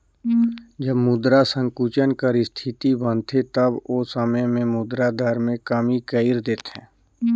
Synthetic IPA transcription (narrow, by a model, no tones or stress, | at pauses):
d͡ʒəbmʊd̪ɾasə̃ŋkuːt͡ʃənkəɾɪst̪ʰɪt̪ibə̃nt̪ʰet̪əboːsəməjmẽmʊd̪ɾad̪aːɾmẽkəmikəɪɾd̪eːt̪ɦɛ̰̃ː